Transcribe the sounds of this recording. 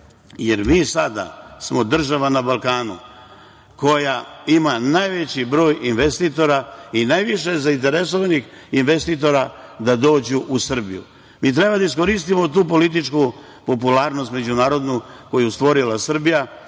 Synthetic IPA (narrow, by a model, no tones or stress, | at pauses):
jeɾmiːsad̪a̰smo̞d̪r̩ʒaʋanabalˠkaːnṵ | ko̞jaimanajʋet͡ɕibɾo̞ːjinʋest̪it̪o̞ɾainajʋiʃe̞zaint̪e̞ɾes̬oʋanixinʋe̞st̪it̪o̞ɾad̪ad̪o̞ːd͡ʑuʔusr̩bḭjṵ | miːt̪̬ɾe̞bad̪ais̬ko̞ɾist̪imot̪uːpo̞lit̪̬it͡ʃku | po̞pulaːɾno̞st̪me̞d͡ʑunaːɾo̞d̪nuko̞just̪ʋo̞ɾilasr̩bija